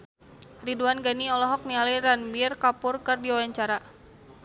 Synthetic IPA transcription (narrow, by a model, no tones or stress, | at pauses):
riduanɡaniɔlɔɦɔk̚nialiɾanbirkapʊrkɨrdiwawaɲt͡ʃaɾa